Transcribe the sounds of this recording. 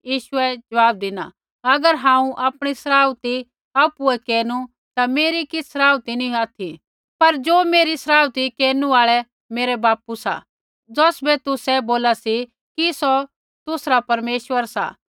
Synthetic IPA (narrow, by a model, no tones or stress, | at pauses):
jiːʃʊɛd͡ʒɐʋaːb̚d̪ɪna̰ | ɐɡəɾɦãːũʔaːpɽ̃isɐɾaːʊt̪i | aːpuɛkeːnu | t̪ameːɾikɪsɐɾaːwt̪inĩaːt̪ʰi | pɐɾd͡ʒoːmeːɾisɐɾaːwt̪ikɛːnũaːɭɛ | meːɾɛbaːpusa̰ | d͡zɔːsbɛt̪ʊsɛboːlasi | kisɔ | t̪ʊsɾapɐɾmeːʃʋəɾsa̰